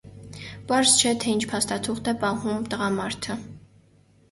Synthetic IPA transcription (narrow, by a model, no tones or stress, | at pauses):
pɑɾzt͡ʃʰɛt̪ʰɛint͡ʃʰpʰɑst̪ɑt̪ʰuχt̪ɛpɑhumt̪əʁɑmɑɾt̪ʰə